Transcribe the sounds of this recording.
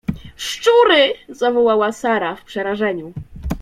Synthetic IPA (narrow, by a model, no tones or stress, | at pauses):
ʂt͡ʂuɾɘzavɔwawasaɾafpʂɛɾaʐɛɲu